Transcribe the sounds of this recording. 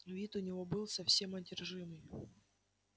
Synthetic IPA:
vʲit̪ʊnʲɪvo̞bɨlˠsɐfsʲe̞mɐdʲɪrʐɨmɨj

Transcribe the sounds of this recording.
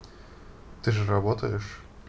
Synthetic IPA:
t̪ɨʐɨrɐbot̪əjɪʂ

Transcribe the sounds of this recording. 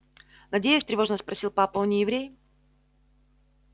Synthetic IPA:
nɐdʲejʊsʲt̪ɾʲɪvo̞ʐnəspɾɐsʲilˠpapənʲɪjɪvɾʲej

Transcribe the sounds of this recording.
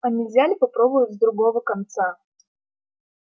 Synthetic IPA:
ɐnʲivʲzʲalʲɪpɐpɾobʊjʊt̪ʲzd̪ɾʊɡovəkɐnt̪sa

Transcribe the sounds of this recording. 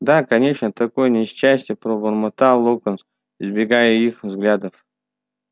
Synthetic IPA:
d̪akɐnʲeʂnət̪ɐkojənʲɪɕːæsʲtʲjəpɾobərmɐt̪alˠokəns | ɪzbʲɪɡajəixvzɡlʲad̪əf

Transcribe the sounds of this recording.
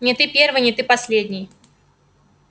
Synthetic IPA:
nʲɪt̪ɨpʲervɨjnʲɪt̪ɨpɐsʲlʲedʲnʲɪj

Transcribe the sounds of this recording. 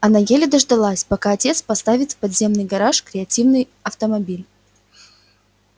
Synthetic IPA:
ɐnajelʲɪd̪əʐd̪ɐlˠasʲpɐkaɐtʲe̞t̪spɐst̪avʲɪt̪pɐd̪zʲe̞mnɨjɡɐɾaʂkɾʲɪɐtʲivnɨj | ɐft̪əmɐbʲilʲ

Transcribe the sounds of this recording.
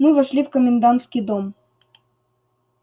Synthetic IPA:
nuvə̆ʃlʲivkomʲɪnd̪ɑnt̪skid̪om

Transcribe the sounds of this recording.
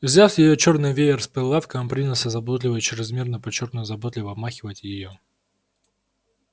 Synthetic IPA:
vzʲafjɪjot͡ɕo̞rnɨjvʲetʲɪrspɨlˠːafkəmpɾʲinəlˠsʲəzɐbot̪lʲɪvət͡ɕɪɾʲɪzmʲe̞rnəpɐt͡ɕo̞rt̪nʊjzɐbot̪lʲɪvəɐbmaxʲɪvətʲjɪjo

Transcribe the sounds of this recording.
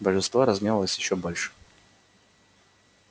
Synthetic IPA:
bəʐɨnst̪voɾɐzmʲevəlˠəsʲjɪɕːɔbolʲʂɨ̥

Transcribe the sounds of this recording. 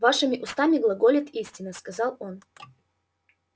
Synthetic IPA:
vaʂɨmʲɪʔʊst̪amʲɪɡlˠɐɡolʲɪt̪isʲtʲɪnːəskɐzɑlˠo̞n

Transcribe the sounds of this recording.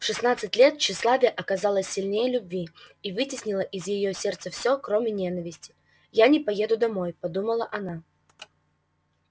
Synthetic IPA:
fʂɨsnat̪sɨtʲlʲe̞t̪ɕːɪslˠavʲɪjəʔɐkɐzalˠəsʲːɪlʲnʲejəlʲʊbʲvʲiivɨtʲɪsʲnʲɪlˠəʔɪzjɪjosʲe̞rt̪səfsʲɵkɾomʲɪnʲe̞nəvʲɪsʲtʲɪ̥ | janʲɪpɐje̞d̪ʊd̪ɐmo̞jpɐd̪uməlˠəʔɐna

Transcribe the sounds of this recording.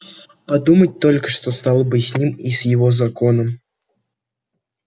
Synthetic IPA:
pɐd̪umət̚ʲt̪olʲkə̥ʂt̪ost̪alˠəbɨsʲnʲimisʲjɪvozɐkonəm

